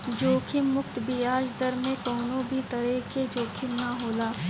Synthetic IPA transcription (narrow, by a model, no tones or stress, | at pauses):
d͡ʒoːkʰɪmːʊkt̪bʱiaːd͡ʒd̪əɾmẽkɔːnõbʱit̪ɐɾeked͡ʒoːkʰɪmnaɦoːlaː